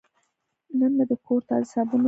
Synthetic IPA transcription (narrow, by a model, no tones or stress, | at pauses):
nənlad̪əkʰoɾt̪ɑzɪsɑbuno